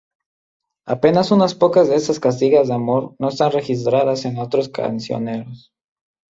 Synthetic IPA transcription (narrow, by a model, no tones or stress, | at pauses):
ape̞nasunaspo̞kazðeesaskast̪iɣazðeamo̞ɾno̞est̪anre̞xis̬t̪ɾaðase̞no̞t̪ɾoskʰa̰nsjo̰ne̞ɾos